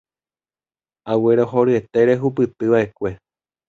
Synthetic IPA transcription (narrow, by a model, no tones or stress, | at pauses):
aweɾoɦo̞ɾɨe̞t̪e̞ɾe̞ɦupɨt̪ɨʋaʔe̞kʷe̞